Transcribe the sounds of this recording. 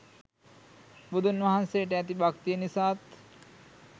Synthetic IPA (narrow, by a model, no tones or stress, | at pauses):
bud̪unʋɐɦanseʈeɛt̪ibakt̪ijenisaːt̪